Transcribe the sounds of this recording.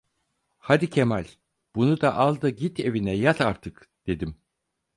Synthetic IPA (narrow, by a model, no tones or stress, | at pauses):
had̪icʰemælʲ | b̥unud̪aʔalˠd̪aɟit̪ʰe̞vinɛjat̪ʰaɾt̪ʰɯk | d̪̥e̞d̪im